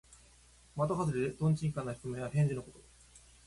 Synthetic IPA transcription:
mat̪oɦazɨɾʲid̪ed̪õ̞ɲ̟t͡ɕĩŋkãnːaçi̥kɯ̟mẽβah̪ẽ̞ɲ̟d͡ʑinoko̞t̪o

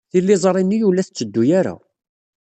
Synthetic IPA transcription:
θilːɪzˤɾˤinːijulːæθət͡sːəd̪ːujæɾæ̰

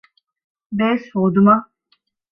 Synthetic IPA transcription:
beːshoːd̪uma

